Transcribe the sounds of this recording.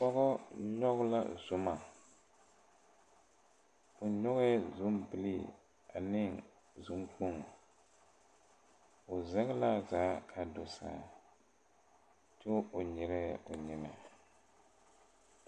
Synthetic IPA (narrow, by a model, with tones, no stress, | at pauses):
pɔ˦ɣɔ˦ɲɔ˦ɣʊ˦la̰˦zʊ˨ma˨ | o˨ɲɔ˦ɣɛ˦zʊ˦mbɪ˨li˦ | a˨nɪ˦ŋ | zʊ˦ŋ˦k͡po˦ŋɔ˨ | o˨zɛ˦ɣɪ˦la˦zaː˨˦kʰa˨do˨sa̰ː˨˦˨ | to˦o˨ɲɪ˨ɾɛ˦o˨ɲɪ˨na˨